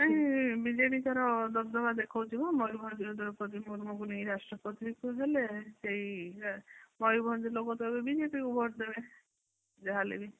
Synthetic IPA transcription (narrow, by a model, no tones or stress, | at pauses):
aɦĩbid͡ʒeʈit̪aɾɔd̪ɔbd̪ɔbad̪ekʰɔwt͡ʃʰibamɔjbʱɔnd͡ʒiɾd̪ɔɾɔpɔt̪imuɾmokuniiɾasʈɾɔpɔt̪ikuɦeleseɦi | mɔjubʱɔnd͡ʒ̪ilokɔt̪ɔɦebebid͡ʒepikubʱɔʈd̪ebe | d͡ʒeɦalḛbi